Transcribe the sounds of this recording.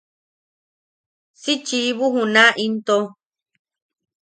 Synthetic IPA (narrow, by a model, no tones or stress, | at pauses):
sit͡ʃiβuɦũnãʔint̪o